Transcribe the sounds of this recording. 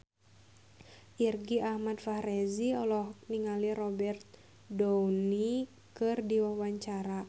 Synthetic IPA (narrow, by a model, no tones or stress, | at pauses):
ʔirɡiʔahmad̪fahrɛziɔlɔhk̚niŋalirɔbɛrt̪̚ | downi | kɨrdiwawaɲt͡ʃaɾa